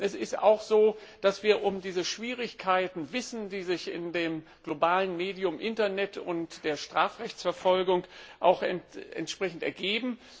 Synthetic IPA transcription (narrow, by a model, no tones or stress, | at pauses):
ʔɛsɪsta̰ʊxz̥oːd̥asv̥iːɐʔʊmdiːzəʃv̥iːʁ̞ɪçkʰaɪtn̩vɪsn̩diːzɪçɪ̰ndeːm | ɡ̥lobaːlənmeːdiʊmʔɪntɐnɛtʰʊntd̥eːɐʃtʁ̥aːfʁɛçt͡sfɛɐfɔlɡʊŋʔaʊxɛntʔɛ̰ntʃpʁ̥ɛçn̩tɛ̰ɐɡeːbm̩